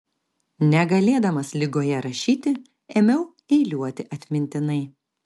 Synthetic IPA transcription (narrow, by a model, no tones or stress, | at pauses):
nʲɛɡɐlʲeːd̪ɐmɐslʲɪɡoːjɛɾɐʃʲiːt̪ʲɪ | eːmʲɛʊ | ɛɪlʲuɔt̪ʲɪʔɐt̪ʲmʲɪnʲt̪ʲɪnɐɪ